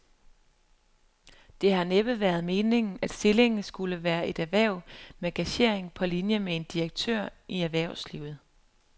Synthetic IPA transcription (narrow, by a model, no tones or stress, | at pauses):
d̥e̝hɑ̈neb̥əʋæːɐð̞̩ˠme̝ːne̝ŋn̩æd̥sd̥e̝le̝ŋn̩sɡ̥uləʋæːɐʔe̝d̥æʋæɐʊ̰meɡ̥æɕe̝̰ɐ̰eŋpʰɒ̽linjəmee̝nd̥iɐɡ̥̚t͡sʰø̰ɐ̰ʔiæʋæɐ̰ʊslḭːʊð̞̩ˠ